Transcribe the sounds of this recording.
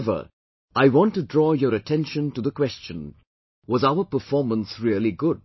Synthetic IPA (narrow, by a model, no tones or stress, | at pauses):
və̰˞ | ʔaɪwɑ̃ntudɹɔːjəɾətʰɛ̃nʃə̃ntuðəkwɛst͡ʃə̃n | wʌzaʊə˞pə˞fɔɹmə̃nsɹiəliɡʊd̚